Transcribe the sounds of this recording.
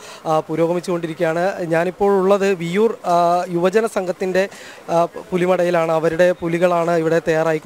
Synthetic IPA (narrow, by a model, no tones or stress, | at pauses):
puːɾo̞ːɣɐmit͡ɕːuko̞ɳɖiɾikʲːjaːɳɨɲaːnipːo̞ːɭuɭːɐðɨʋijuːrjuʋɐd͡ʑɐnɐsɐŋɡʱɐt̪ːinde̞ | pulimɐɽɐjilaːɳɨɐʋɐɾuɽe̞puliɣɐɭaːɳɨiʋiɽe̞t̪ɐjaːraːjikʲː